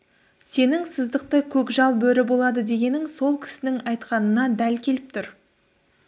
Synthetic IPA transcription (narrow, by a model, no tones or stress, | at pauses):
se̞nɪŋsəzd̪əq̚t̪əkʲʰɵkʒɑlˠbɵɾɪbo̞lˠɑd̪əd̪e̞ɡʲe̞nɪŋso̞lˠkʲʰɪ̥sɪnɪŋɑjt̪qɑnənɑd̪ælkʲʰe̞lɪp̚t̪ʰʊɾ